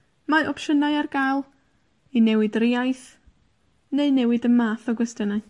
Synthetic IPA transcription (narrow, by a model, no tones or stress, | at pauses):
maʔɔpʃənajarɡalˠ | inɛwɨdriajθ | neɨnɛwɨdəmaːθɔɡwɛstənaɨ